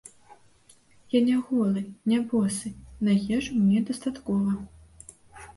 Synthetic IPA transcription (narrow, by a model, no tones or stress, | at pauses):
janʲɛɣɔlˠɨnʲabɔsɨnajʲɛʐumnʲɛd̪ɐst̪at̪kɔvɐ